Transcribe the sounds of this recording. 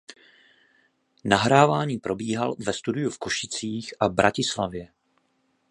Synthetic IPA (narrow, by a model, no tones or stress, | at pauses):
naɦɾaːvaːɲiːpɾo̞biːɦalvɛst̪udɪjufkoʃɪt͡siːxʔabɾʔacɪslavjɛ